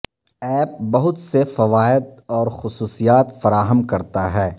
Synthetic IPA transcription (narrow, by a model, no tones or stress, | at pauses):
ɛːp̚bɐɦʊt̪sefɐʋaːɪd̪̚ɔːɾxʊsuːsijaːt̪fɐɾaːɦəmkɐɾt̪aɦɛː